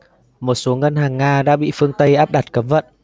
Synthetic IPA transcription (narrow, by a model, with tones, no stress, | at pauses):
mo˨˩t̚so˨˦ŋə˧nɦaː˨˩ŋːaː˧ɗa̰ː˧˥ɓḭ˧˨fɨ˧əŋt̪ə˧jʔaː˦˥p̚ɗa˨˩t̚kə˨˦mvə̰˧˨n